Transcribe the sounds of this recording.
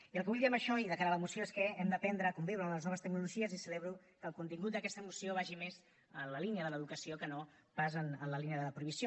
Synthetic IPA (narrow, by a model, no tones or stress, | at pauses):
iəlkəβuʎðiɛməʃɔiðəkaɾələmusioeskəɛmd̪əpɛnd̪ɾəkumbiwɾənləznɔβəst̪əknuluʒiəzisəleβɾu | kəːlˠkunt̪iŋɡut̪̚d̪əkɛst̪əmusioβ̞aʒimez | ənləliniəðələðukəsijokəno | pazənənləliniəðəðəpɾuiβisjo